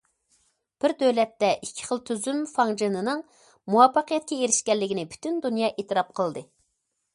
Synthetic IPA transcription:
b̥ɪɾd̪øwlɛt̪ːɛʔikʲʰːi̥χəlˠt̪ʰyzymfɑŋd͡ʒɨnɨnɨŋ | muwɑfːɑqijɛt̪̚kʲɛeɾɪʃkʲɛlːɪɡʲinɪby̥t̪ʰynd̪unjɑːʔet̪ɨɾɑp̚qʰəlˠd̪ɨ

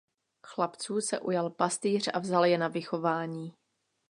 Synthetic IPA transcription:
xlapt͡suːsɛ̰ʔujalpast̪iːr̝̥a̰vzaljɛnavɪxo̞vaːɲiː

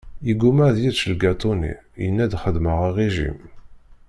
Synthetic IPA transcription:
iɡumæðjiðʃəlɡat̪ˤunḭjənːæd̪χəðməʁiʁeʒḭm

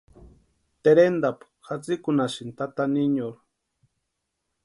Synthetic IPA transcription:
t̪eɾend̪ap | xat͡sikʊnaʃint̪at̪aniɲoɾ

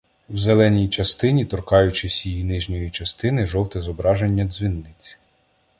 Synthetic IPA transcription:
wzelˠɛnʲijt͡ʃɐst̪ɪnʲit̪ɔrkɑjʊt͡ʃɪsʲjijinɪʒnʲɔjit͡ʃɐst̪ɪnɪʒɔw̪ˠt̪ɛzɔbɾɑʒenʲːɐd̪zʋʲinːɪt͡sʲ

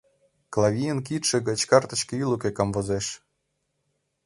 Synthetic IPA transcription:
klˠavʲijənk̬it̪ʃĕɣɤ̆t͡ɕkɑrt̪ɤ̆ɕkĕilukekɑmvozeʃ

